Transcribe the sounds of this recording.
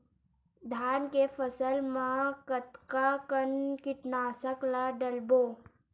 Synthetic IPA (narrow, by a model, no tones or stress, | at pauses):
d̪ʱjankefəsəlmãkət̪kakənkɪʈnaːsəklaɖəlbo